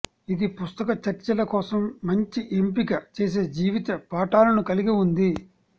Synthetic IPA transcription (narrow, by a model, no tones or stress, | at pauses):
id̪ipust̪ɐkɐt͡ʃɐɾt͡ʃɐlɐkɔːsɐmːɐɲt͡ʃiʔempiɡɐt͡ʃe̞ːs̬e̞ːd͡ʒiːʋit̪ɐpaːʈaːlɐnukɐliɡiund̪i